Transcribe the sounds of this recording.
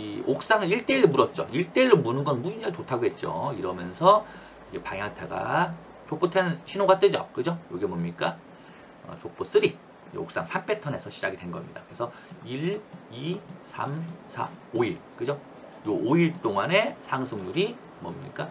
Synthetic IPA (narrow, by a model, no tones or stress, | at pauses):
iok̚s͈aŋɯɾiɭt͈e̞iɾomuɾʌt̚t͡ɕ͈o̰iɭt͈e̞iɾomunɯnɡʌnmuind͡ʑait͡ɕotʰaɡoɦe̞t̚t͡ɕ͈o̰iɾʌmjʌnsʰʌ | iɡepa̰ŋjatʰaɡa̰ | t͡ɕok̚p͈otʰenɕʰinoɡat͈wed͡ʑʌkɯd͡ʑojoɡiemomɲik͈a | ʌ̰t͡ɕok̚p͈os͈ɯɾi | ḛok̚s͈a̰ŋsʰamp͈ʰe̞tʰʌne̞sʰʌɕʰi̥d͡ʑaɡide̞nɡʌmɲidakɯɾesʰʌ | iɭisʰa̰msʰa̰oiɭk͈ɯd͡ʑo | jooiɭt͈oŋane̞sʰaŋsʰɯŋɲuɾi | mʌmɲḭk͈a